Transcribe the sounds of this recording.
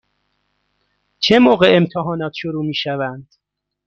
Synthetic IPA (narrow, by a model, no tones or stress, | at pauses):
t͡ʃʰe̞moːɣe̞emt̪ʰeɦɒːnɒːt̪ʰʃoɾuːmiːʃævænd̪̥